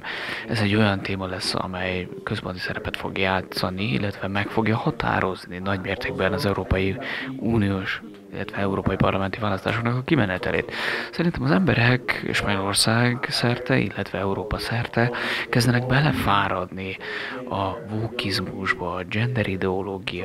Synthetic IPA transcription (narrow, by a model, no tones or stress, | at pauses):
ɛzɛɟːo̞jɒnt̪eːmɒlɛsːɒ̰mɛj | køspo̞nt̪i̥sɛɾɛpɛt̪fo̞̰ɡjaːt̪sɒniḭlːɛt̪ʋɛmɛkfo̞ɡjɒhɒt̪a̰ːɾo̞zninɒɟmeːrt̪ʰeːɡbɛnɒzɛuɾoːpɒjiuːnijoːʃ | ilːɛt̪ʋɛɛuɾoːpɒipɒrlʔɒmɛnt̪ivaːlɒst̪aːʃoknɒkɒkimɛnɛt̪ɛ̰lḛːt̪sɛɾint̪ɛmɒzɛmbɛɾɛkʃpɒɲolo̞rsaːɡsɛrt̪ɛʔḭlːɛt̪ʋɛɛuɾoːpɒsɛrt̪ɛkɛzd̪ɛnɛɡbɛlɛfaːɾɒd̪niɒvoːkizmuʒbɒːd͡ʒɛnd̪ɛɾid̪ɛoloːɡij